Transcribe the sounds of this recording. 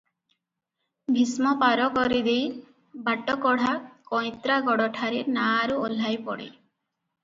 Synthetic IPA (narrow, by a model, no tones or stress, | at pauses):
bʱismɔpaɾɔkɔɾid̪ej | baʈɔkɔɽ̤akɔ̃j̃t̪ɾaɡɔɽɔʈʰaɾinaɾuol̤ajpɔ̰ɽḭ